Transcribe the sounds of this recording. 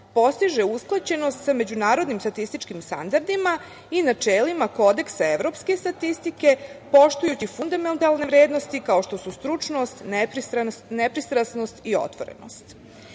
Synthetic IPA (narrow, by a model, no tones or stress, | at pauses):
po̞st̪iʒe̞usklˠat͡ɕe̞no̞st̪same̞d͡ʑunaːɾo̞d̪nimst̪at̪ist̪it͡ʃkimst̪a̰nd̪aɾd̪ima | inat͡ʂeːlimako̞d̪e̞ksaeʋɾo̞pske̞st̪at̪ist̪ike̞po̞ʃt̪ujut͡ɕifund̪ament̪alˠne̞ʋɾe̞ːd̪no̞st̪ikao̞ʃt̪o̞sust̪ɾut͡ʂno̞st̪nepɾist̪ɾanepɾist̪ɾasno̞st̪io̞̰t̪ʋo̞ɾḛno̞̰st̪